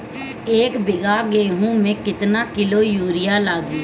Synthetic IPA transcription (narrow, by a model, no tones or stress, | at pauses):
eːkbɪɡaːɡeːɦũːmẽːkɪt̪naːkɪloːjuːɾɪjaːlaːɡiː